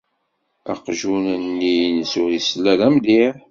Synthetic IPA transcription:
æqʒunənːinəsʊɾisəlːæðæmd̪iɾ

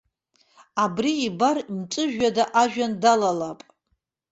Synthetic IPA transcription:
abriːbarmt͡sʼɨʒᶣadaʔaʒᶣandalalapʼ

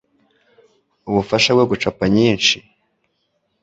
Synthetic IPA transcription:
uβufaʃabɡeɡut͡ʃapaɲiːnʃi

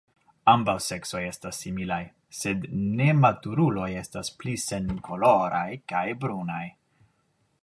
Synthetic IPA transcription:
ambawse̞kso̞je̞stasːimilaj | se̞dne̞matuɾulo̞je̞stasplise̞nkʰo̞lo̞ɾajkajbɾunaj

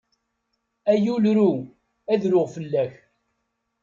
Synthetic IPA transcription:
æjulɾu | æðɾʊʁfəlːæç

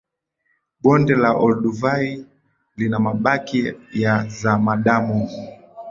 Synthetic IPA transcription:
ɓɔndɛlaʔɔlɗuvai | linamaɓakijazamaɗamu

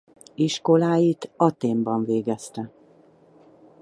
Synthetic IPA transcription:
iʃko̞laːjit̪ɒt̪eːmbɒɱveːɡɛst̪ɛ

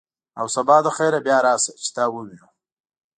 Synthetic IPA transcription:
a̰wsabɑd̪əxeɾabjɑɾɑːsət͡ʃɪ̥t̪ɑwəwinu

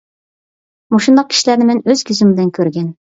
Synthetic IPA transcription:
moʃund̪ɑq̚kʲʰi̥ʃilæɾnɪmɛnøz̥kʲʰyzymbɪlɪnkʲʰøɾɡʲɛn

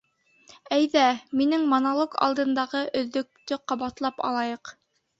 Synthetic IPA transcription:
æjðæminɘŋmonolˠokɑ̰lˠd̪ɤ̆nd̪ɑʁɤʔɵ̆ðːɵ̆k̚t̪ɵqɑβɑt̪lˠɑpɑ̰lˠɑjɤq

